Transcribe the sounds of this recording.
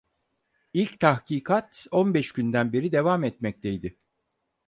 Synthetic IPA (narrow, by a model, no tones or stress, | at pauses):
ilʲct̪ʰahciːkʰat̪onbɛʃɟynd̪ænbeɾid̪e̞vamɛt̪mɛc̚t̪ʰejd̪ɪ